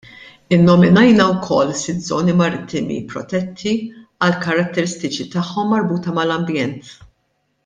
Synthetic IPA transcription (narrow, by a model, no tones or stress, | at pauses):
ɪnːɔmɪnɐjnɐwkʰɔ̰lːsɪzɔːnimɐɾɪt̪ːɪmḭpɾɔ̰t̪ɛt̪ʰːiɐlkɐɾɐt̪ːɛɾɪst̪ɪt͡ʃit̪ɐħːɔmːɐɾbuːt̪ɐmɐlɐmbjɛnt̪